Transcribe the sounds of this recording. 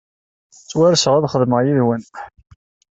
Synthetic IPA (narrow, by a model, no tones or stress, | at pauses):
t͡sːwæɾsəʁaðχəðməʁjiðwən